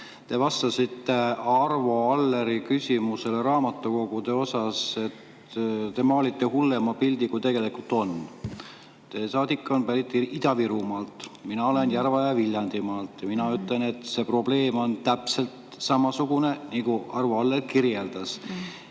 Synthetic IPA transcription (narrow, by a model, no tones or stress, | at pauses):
t̪e̞vɑst̪ɑsit̪ːe̞ɑrvo̞ɑlːe̞ɾikysʲimuse̞le̞ɾɑːmɑt̪ːˑuko̞ɡud̪e̞o̞sɑse̞t̪ | t̪e̞mɑolit̪ːe̞ɦulːe̞mɑpild̪ikujt̪e̞ɡ̥e̞likult̪ːˑo̞n | t̪e̞ːsɑːd̪ikːˑɑonpæɾit̪ːˑiid̪ɑviɾumɑːlt̪ˑminɑo̞le̞njærvɑjɑvilʲjɑnd̪̥imɑːlt̪ːˑjɑminɑyt̪ˑle̞ne̞t̪se̞pro̞b̥le̞ːmo̞nt̪æpse̞lt̪ | sɑmɑsuɡune̞niɡuɑrvo̞ɑlːelkirje̞ld̪̥ɑs